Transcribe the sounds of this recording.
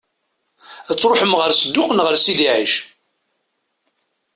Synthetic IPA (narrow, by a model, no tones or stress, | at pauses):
æt͡sːɾoħəmʁəɾsəd̪ːʊqənʁəɾsiðiʕiʃ